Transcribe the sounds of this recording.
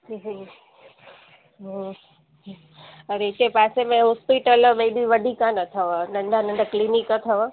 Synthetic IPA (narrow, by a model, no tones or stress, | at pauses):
iɦi | ɦ | ɐɾeɪt͡ɕepaːsemẽɦɔspiʈəlɓeːɗiʋəɖʱikanət̪ʰəʋnɐ̃ɳɖʱanə̃ɳɖʱaklinikət̪ʰəʋ